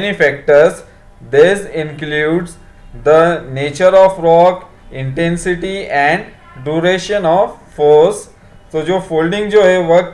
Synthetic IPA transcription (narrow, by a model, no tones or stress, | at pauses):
nifæk̚ʈəɾs | d̪ɪsɪ̃nkluːɖs | d̪əneːt͡ʃəɾɔːfɾɔːk | ɪ̃ɳʈẽnsɪʈiɛ̃ɳɖ | ɖjuɾeʃə̃nɔːʋfoːɾs | soːd͡ʒoːfoːlɖɪ̃ŋɡd͡ʒoːɦeʋək